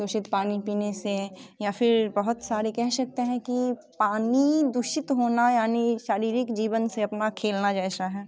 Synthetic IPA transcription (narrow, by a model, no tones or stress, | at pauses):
d̪ʊʃɪt̪paːnipiːnesejafʰɪɾbɐɦʊt̪saːɾekɛɦʃɐk̚t̪eɦɛ̃kipaːnid̪ʊʃɪt̪ɦoːnajaːniʃaːɾiːɾɪkd͡ʒiːʋənseɐpnakʰeːlnad͡ʒɛːʃaɦɛː